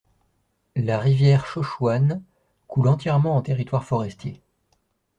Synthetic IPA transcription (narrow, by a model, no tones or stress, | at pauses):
laʁivjɛʁʃɔʃwan | kulɑ̃t̪jɛʁmɑ̃ɑ̃t̪eʁit̪waʁfɔʁɛst̪je